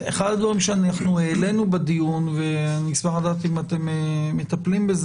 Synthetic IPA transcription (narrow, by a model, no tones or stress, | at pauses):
eχad̪d̪vaʁimʃeanaχnueːle̞nubed̪ijunveanismaχad̪at̪imat̪e̞meːet̪aplimbez